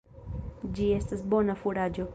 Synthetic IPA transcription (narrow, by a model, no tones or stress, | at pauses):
d͡ʒiestasbonafuɾad͡ʒo